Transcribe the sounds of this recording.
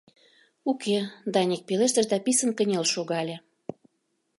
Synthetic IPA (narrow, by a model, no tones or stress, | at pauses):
uked̪ɑnʲek̚peleʃt̪ə̆ʃd̪ɑpisənkə̆nʲelʃoɣɑlʲĕ